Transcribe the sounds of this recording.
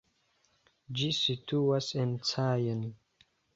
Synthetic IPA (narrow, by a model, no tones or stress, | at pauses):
d͡ʒisitʰuasent͡sajən